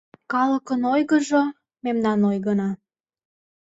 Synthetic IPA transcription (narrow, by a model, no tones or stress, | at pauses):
kɑləkənojɣəʒo | memnɑnojɣənɑ